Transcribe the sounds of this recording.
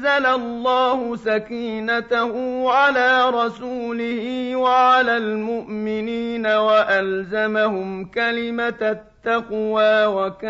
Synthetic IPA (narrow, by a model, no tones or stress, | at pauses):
alalˤːaːhʊsakiːnat̪ahʊʕalaːɾˤɑsuːlɪhiːwaʕalaːlmʊʔmɪniːnawaʔalzamahʊmkalɪmat̪ːɑqwaːwaka